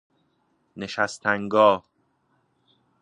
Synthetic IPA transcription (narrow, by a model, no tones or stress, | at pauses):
ne̞ʃæst̪ʰæŋɡɒːh